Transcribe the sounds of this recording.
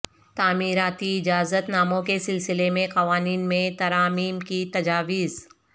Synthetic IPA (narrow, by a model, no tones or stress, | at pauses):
t̪aːmiːɾaːt̪iɪd͡ʒaːzət̪naːmõkesɪlsɪlemẽqɐʋaːniːnmẽt̪ɐɾaːmiːmkit̪ɐd͡ʒaːʋiːz